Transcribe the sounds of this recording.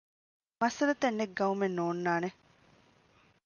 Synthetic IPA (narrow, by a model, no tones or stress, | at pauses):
mɐsɐlɐt̪enːeɡɡɐumenːoːnːaːne